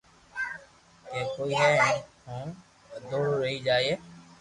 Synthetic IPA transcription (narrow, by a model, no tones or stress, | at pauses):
keːkoːiːɦɛ̃ːhõː | d̪oːɾɾəɦiːd͡ʒaːieː